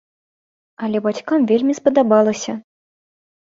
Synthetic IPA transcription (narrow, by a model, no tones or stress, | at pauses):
ɐlʲɛbat͡sʲkamvʲelʲmʲispɐd̪abalˠɐsʲɐ